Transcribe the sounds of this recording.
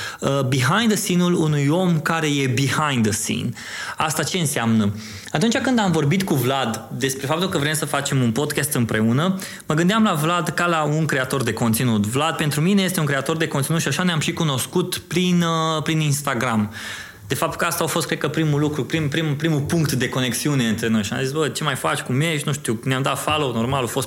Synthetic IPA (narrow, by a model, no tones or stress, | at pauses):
əbiɦajnd̪əsinulunujo̞mkaɾe̞je̞bihajnd̪əsḭn | ast̪at͡ʃe̞ɨnseamnə | at̪unt͡ʃakɨnd̪amvo̞rbit̪kuvlad̪d̪e̞spɾe̞fap̚t̪ulkəvɾe̞msəfat͡ʃe̞munpo̞d̪kʲast̪ɨmpɾe̞unə | məɡɨnd̪eamlavlad̪kalauŋkɾe̞at̪o̞rd̪e̞ko̞nt̪sinut̪vlad̪̚pe̞nt̪ɾumine̞je̞st̪euŋkɾeat̪o̞rd̪e̞kont̪sinut̪ʃiaʃaneamʃikuno̞skut̪pɾinpɾininst̪aɡɾam | d̪e̞fap̚t̪u̥lkəast̪aofost̪kɾekəpɾimulukɾupɾimpɾimupɾimupuŋkt̪d̪e̞ko̞ne̞ksiune̞ɨnt̪ɾe̞no̞jʃia̰mzisbət͡ʃe̞majfa̰t͡ʃʲkumjeʃinuʃt̪iwneamd̪at̪falono̞rmalofo̞st̪